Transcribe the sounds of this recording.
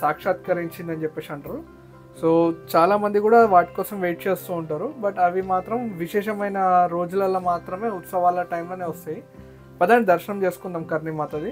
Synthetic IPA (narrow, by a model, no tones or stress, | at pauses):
saːkʂaːt̪kɐɾiɲt͡ʃind̪ɐnt͡ʃɛpːeːʂɐɳʈɾɐl | soːt͡ʃaːlaːmɐnd̪ikuːɽaːʋaːʈi̥kɔːsɐmʋeːʈ̚t͡ʃe̞ːst̪uːɳʈaːɾubɐʈɐʋimaːt̪ɾɐmʋiʃɛːʃɐmɐjnɐɾo̞ːd͡ʒulɐlɐmaːt̪ɾɐme̞ːut̪sɐʋaːlɐʈɐjmlo̞ːne̞ːʋɐst̪aːji | pɐd̪aːɳid̪ɐɾʃɐnɐmt͡ʃe̞ːsu̥kund̪aːmkɐɾnimaːt̪ɐd̪i